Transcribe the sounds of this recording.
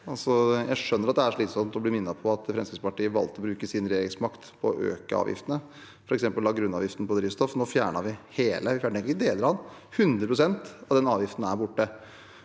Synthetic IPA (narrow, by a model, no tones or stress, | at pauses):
ɑlsɔjæɪʂœnːəɾɑt̪̚d̪ɛæʂɭiːt̪sɔmt̪ɔblɪɾmɪnːɑpʰɔɑt̪̚d̪ɛfɾɛnskɪspɑʈiːəʋɑ̰lt̪əɔbɾʉːkəsɪnɾeːɡəlsmɑkt̪pʰɔɔʔø̰ːkəɑ̰ːʋjɪ̰ft̪ənə | fɔɾɛksɛmpəllɑːɡɾʉnːɑ̰ːʋjɪft̪nəpɔd̪ɾiːst̪ɔfnoːfjæːɳɑʋɪheːləʋɪfjæːɳʈ̪ɛŋk̪ɪkəd̪eːləɾɑn | hʉnd̪ɾəpʰɾʊsɛnt̪ɑd̪ɛnɑːʋjɪft̪ən̩æɾbʊʈːə